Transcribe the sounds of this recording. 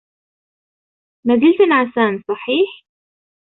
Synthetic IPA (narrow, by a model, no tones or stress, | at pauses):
mazɪlt̪anʕasaːnsˤɑħiːħ